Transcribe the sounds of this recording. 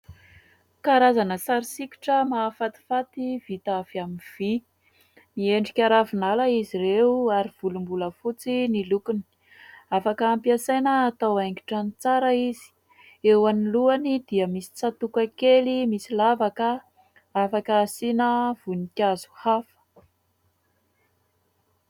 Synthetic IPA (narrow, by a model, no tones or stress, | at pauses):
kaɾazanəsaɾisikʲi̥ʈ͡ʂəmafat̪i̥fat̪iv̥it̪avamiv̥i | nieɳɖ͡ʐikʲaɾavinalaiziɾeuaɾiv̥ulumbuləfut͡sinilukuni̥ | afakəːmpiasajnəːt̪awaŋɡi̥ʈ͡ʂanit͡saɾəizi̥ | ewaniluanid̪̥iəmisi̥t͡sat̪ukakelimisilavakə | afakasinəv̥unikʲazu̥hafə̥